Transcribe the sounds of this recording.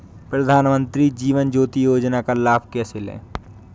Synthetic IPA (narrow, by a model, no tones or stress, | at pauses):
pɾɐd̪ʱaːnmə̃nt̪ɾid͡ʒiːʋənd͡ʒoːt̪ijoːd͡ʒnakalaːbkɛːselḛː